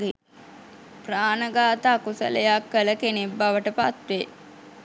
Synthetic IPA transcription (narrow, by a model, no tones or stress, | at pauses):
e | praːnəɡaːt̪aːkusə̰lə̰jakːələkenebːaʋəʈəpat̪ʋe